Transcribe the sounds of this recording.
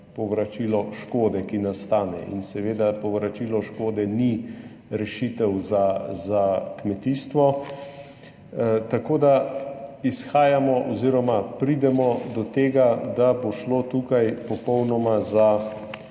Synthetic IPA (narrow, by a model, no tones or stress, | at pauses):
pɔʋɾat͡ʃilɔʃkoːd̪ɛkinast̪aːnɛ̰ʔḭnsɛʋeːd̪apɔʋɾat͡ʃiːlɔʃkoːd̪ɛni | ɾɛʃit̪ɛwzazakmɛt̪iːst̪ʋɔ | t̪akoːd̪a | isxaːjamɔʔɔziːɾɔmapɾid̪ɛmɔd̪ɔt̪eːɡad̪aboʃloːt̪uːkajpɔpɔwnɔmaza